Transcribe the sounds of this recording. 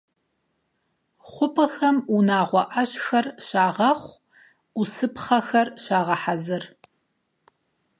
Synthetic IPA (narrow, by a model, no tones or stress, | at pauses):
χʷʊpʰʼɐxɐmunaːʁʷɔʔɐɕxɐrʃaːʁɐχʷ | usɨpχɐxɐrɕaːʁɐħazɨr